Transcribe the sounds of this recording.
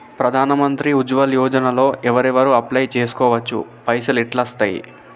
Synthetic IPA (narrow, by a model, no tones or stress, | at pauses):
pɾɐd̪ʱaːnɐmɐnt̪ɾiud͡ʒʋɐljɔːd͡ʒɐnɐlo̞ːʔɛʋɐɾɛʋɐɾuɐplɐjt͡ʃeːsu̥kɔːʋɐt͡ʃːṵ | pɐjsɐliʈlɐst̪ɐjḭ